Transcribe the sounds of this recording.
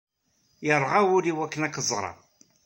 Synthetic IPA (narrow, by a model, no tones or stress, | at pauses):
jəɾˤːʁawʊliwækːnækːzˤʁɾˤɑ̰